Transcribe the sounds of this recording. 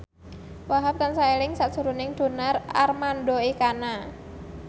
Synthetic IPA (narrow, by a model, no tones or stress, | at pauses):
waɦap̚kansaelɪŋsaʔsuɾunɪŋd̪̥o̤narʔa̰rmanɖoikana